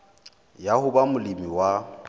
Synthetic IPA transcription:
jahʊbamʊlimiwa

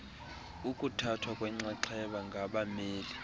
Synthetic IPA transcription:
ukʼutʰatʰwakʼwɛŋ͡ǀaǀʰɛɓaŋɡʱaɓameːli

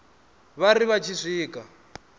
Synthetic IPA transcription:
βaɾiβat͡ʃʰiʂiːka

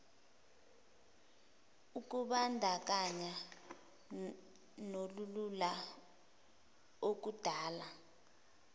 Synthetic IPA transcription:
uk̬ʼuɓandʱak̬ʼaɲa | nolulula | ok̬ud̥ʱaːla

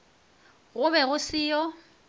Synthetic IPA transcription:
ɣʊbɛɣʊsɪːjɔ

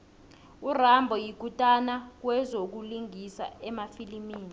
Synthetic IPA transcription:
urambʱɔjiɡ̥ʱutʼanak̬wɛzok̬uliŋʱisa̰ɛmafilimiːni

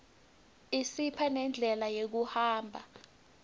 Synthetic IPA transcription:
isipʰanɛnd͡ɮʱɛlajek̬uhaːmbʱa̰

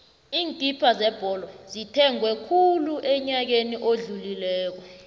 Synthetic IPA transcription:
iːntʼipʰazɛb̥ʱɔlɔzitʰɛŋwɛkʰuluʔɛɲak̬eniʔoɮulilɛːk̬wɔ

